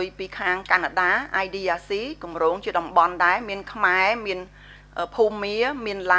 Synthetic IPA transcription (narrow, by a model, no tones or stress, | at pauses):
əjpiːkʰaːŋkanaɗaːʔajɗiːaːsiːkumroːŋt͡ɕiəɗɑmɓɑnɗaɛmiənkʰmaɛmiən | ʔəːpʰuːmːiəmiənla